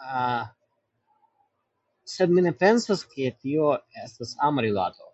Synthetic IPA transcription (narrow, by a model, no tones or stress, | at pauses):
sed̪minepensasket̪ioestasamaɾila̰t̪o̰